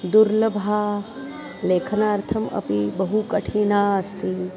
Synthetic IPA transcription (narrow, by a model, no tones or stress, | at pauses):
d̪uɾlɐbʱaː | leːkʰɐnaːɾt̪ʰɐmɐ̰pibɐɦukɐʈʰiːnaːɐst̪i